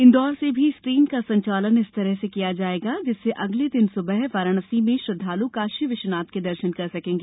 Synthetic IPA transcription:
ɪ̃nd̪ɔːɾsebʱiskɾiːnkasɐ̃ɲt͡ʃaːlənɪst̪ɐɾəɦsekijad͡ʒaːeːɡad͡ʒɪsːeʔɐɡled̪ɪnsʊbəɦʋaːɾəɽ̃əsimẽʃɾɐd̪ʱːaːlukaːʃiʋɪʃnaːt̪ked̪ɐɾʃənkɐɾsɐkẽːŋɡeː

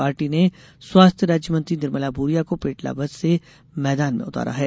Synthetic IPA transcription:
aːɾʈine | swaːst̪ʰjəɾaːd͡ʒjəmɐ̃nt̪ɾinɪɾməlaːbʱuːɾijakopeːʈla̰bɐzse | mɛːd̪aːnmḛ̃ʊt̪a̰ːɾa̰ɦɛː

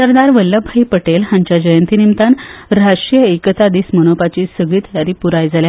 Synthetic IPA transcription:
səɾd̪aɾʋəlːəbʱaipəʈelɦãɲt͡ɕjad͡ʑəjənt̪inimt̪anɾaʂʈɾijəekət̪ad̪iːsmənopat͡ɕiːsəɡɭiːt̪jaɾiːpuɾajd͡zalja

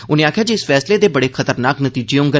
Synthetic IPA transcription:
ʊnẽːaːkʰjaːd͡ʒiɪsfɛːsleːd̪eːbəɽeːkʰət̪əɾnaːknət̪iːd͡ʒeõːŋɡə

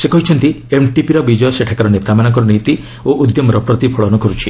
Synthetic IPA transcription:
sekɔɦit͡ʃʰɔnt̪iemʈipiɾɔbid͡ʒɔjɔseʈʰakaɾɔnet̪amanɔŋk̬ɔɾɔnit̪i | oʔud̪jɔmɔɾɔpɾɔt̪ipʰɔɭɔnukɔɾut͡ʃʰi

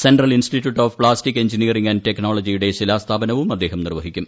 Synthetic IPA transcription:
senɖrɐlinstitʲːjuːʈːoːfpɭaːstikːe̞ɲd͡ʑiniɐriŋɡɐnɖte̞knoːɭod͡ʑijuɽe̞ɕilaːst̪ʰaːbɐnɐʋumɐd̪ːe̞ːɦɐmnirʋɐɦikʲːum

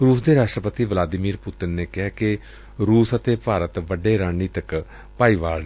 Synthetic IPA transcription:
ɾuːsd̪eːɾaːʃʈɾəpət̪iːʋlaːd̪ɪmiːɾpʊt̪ɪnːeːkɪɦaːkɪ | ɾuːsət̪eːpaːɾət̪ʋəɖeːɾãːiːt̪ək | paːiːʋaːl

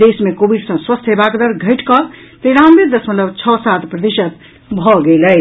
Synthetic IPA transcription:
d̪esmekobiɖsə̃swəst̪ɦebakd̪əɾɡʱəjʈkɔ | t̪eɾãmbeɾd̪əsmət̪ləbt͡ʃʰɔsat̪pɾəd̪iʃət̪ | bʱɔɡeləj

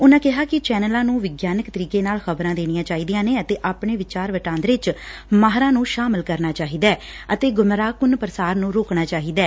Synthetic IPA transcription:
ʊnãːkɪɦaːkɪt͡ʃɛːnəlãːnũːʋɪɡjaːnəkt̪əɾiːkeːnaːlxəbɾãːd̪eːñijãːt͡ʃaːiːd̪ijãːneːət̪eːʔaːpɳeːʋɪt͡ʃaːɾʋəʈãːnd̪ɾeːt͡ʃmaːɦɾãːnũːʃaːmɪlkəɾnaːt͡ʃaːɦiːd̪ɛː | ət̪eːɡʊmɾaːkʊnpəɾəsaːɾnũːɾoːknaːt͡ʃaːɦiːd̪ɛː

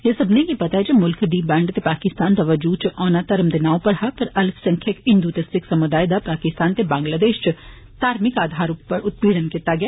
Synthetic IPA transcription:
jesɐbnejipɐt̪aɦɛd͡ʒɐmʊlkd̪iːbɛ̃ːɳɖt̪epaːkɪst̪aːnt̪ɐʋəd͡ʒuːt͡ʃʔɔːnat̪ɐɾmd̪ɪnaːõpɐɾɦɐpɐɾɐlfʰsɐ̃ŋkʰjəkɦɪ̃nd̪ut̪esɪksɐmʊd̪aːjd̪apaːkɪst̪aːnt̪ebãːŋɡlaːd̪eːʃt͡ʃ | t̪aːɾmɪkaːd̪ʱaːɾʊpəɾʊt̪̚piːɽənkɪt̪aɡɐjaː

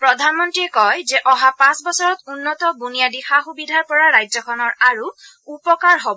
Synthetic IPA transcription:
pɹɔdʱanmɔntɹiɛkɔjzɛʔɔɦapãsbɔsɔɹɔt̪unːɔt̪ɔbunijadixaxubidʱaɹpɔɹaːajzɔkʰɔnɔɹaɹu | upɔkaɹɦobɔ

